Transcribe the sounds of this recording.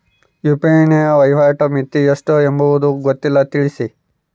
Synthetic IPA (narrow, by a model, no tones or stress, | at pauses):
jupɾeːnijɐʋɐjʋaːʈɐmit̪ːieʂʈoembuʋud̪uɡot̪ːilːɐt̪iɭisi